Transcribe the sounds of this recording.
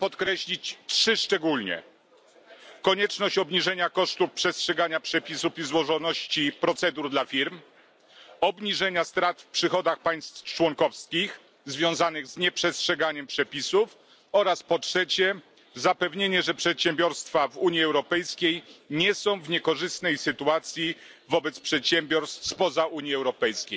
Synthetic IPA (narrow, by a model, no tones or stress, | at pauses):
pɔt̪kɾɛɕlʲit͡ɕtʂɘʂt͡ʂɛɡulɲɛ̰ | kɔɲɛt͡ʂnɔɕt͡ɕɔbɲiʐɛɲakɔʂt̪upʂɛstʂɛɡaɲapʂɛpʲisufizwɔʐɔnɔɕt͡ɕipɾɔt̪sɛd̪uɾd̪lafʲiɾm | ɔbɲiʐɛɲast̪ɾat̪fpʂɘxɔd̪axpaj̃st̪t͡ʂwɔŋkɔfskʲix | zvʲjɔ̃w̃zanɘɣzɲɛpʂɛstʂɛɡaɲɛmpʂɛpʲisuf | ɔɾaspɔtʂɛt͡ɕɛ | zapɛvɲeɲɛʐɛpʂɛt̪ɕɛmbʲjɔɾst̪favuɲjiɛwɾɔpɛjskʲejɲɛsɔ̃w̃vɲɛkɔʐɘst̪nɛjsɘt̪uat̪sʲji | vɔbɛt̪spʂɛt̪ɕɛmbʲɔɾst̪fspɔzauɲiɛwɾɔpɛjskʲej